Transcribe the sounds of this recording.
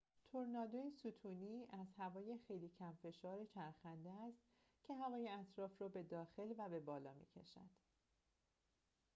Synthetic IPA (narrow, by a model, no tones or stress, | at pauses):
t̪ʰoɾnɒːd̪ojesuːt̪ʰuːniːæzhævɒːjexe̞jliːcʰæmfe̞ʃɒːɾe̞t͡ʃʰæɾxænd̪eæst̪ | cʰe̞ɦævɒːje̞æt̪ʰɾɒːfrɒːbe̞d̪ɒːxe̞lvæbe̞bɒːlɒːmḭːcʰe̞̰ʃæ̰d̪̥